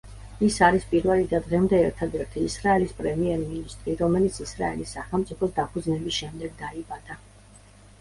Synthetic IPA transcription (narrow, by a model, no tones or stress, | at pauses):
isaɾispʼiɾvɛlid̪ad̪ʁɛmd̪ɛːɾt̪ʰad̪ɛɾt̪ʰiːsɾaɛlispʼɾɛmiɛɾminist̪ʼɾiɾɔmɛlit̪sʰisɾa̰ɛ̰lisːaχɛlˠmt̪sʼipʰɔsd̪apʰud̪znɛbisʃɛmd̪ɛɡ̚d̪aibad̪̥a